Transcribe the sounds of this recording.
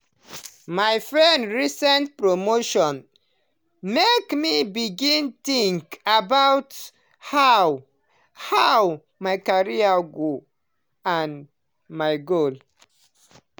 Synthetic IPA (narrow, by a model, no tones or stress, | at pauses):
majfɹɛ̃ndɹisɛ̃ntpɹomoʃɔ̃n | mekmibiɡĩntĩŋkabawt | haw | haw | majkaɹiaɡo | ãn | majɡol